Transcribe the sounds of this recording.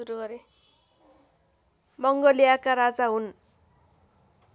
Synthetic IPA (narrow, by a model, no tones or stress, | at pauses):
uɾuɡʌɾe | mʌŋɡʌlijakaɾad͡zaɦun